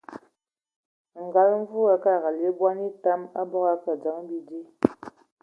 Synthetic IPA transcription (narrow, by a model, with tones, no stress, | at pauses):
ŋ̩˨ɡa˨˦lɱ˦vu˦a˦ka˦˨ɣa˨le˨˦bwa˦ni˦ta˦ma˦bɔ˦ɣa˦ka˨d͡za˨˦ŋ˦bi˦di˦